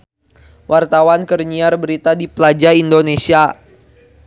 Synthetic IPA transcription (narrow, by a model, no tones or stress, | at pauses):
wʔart̪awankərɲiarbəɾit̪adipəlad͡ʒaindonesia